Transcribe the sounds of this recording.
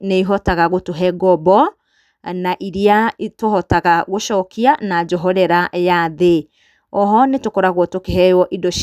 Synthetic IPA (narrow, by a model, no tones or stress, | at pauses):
neiɦɔtaɣaɣotoɦɛɡɔbɔ | naʔiɾiatohɔtaɣaɣoʃɔkianad͡ʒɔɦɔɾɛɾaʔjaðe | ɔɦɔnetokɔɾaɣwɔtokeɦɛjɔʔidɔʃ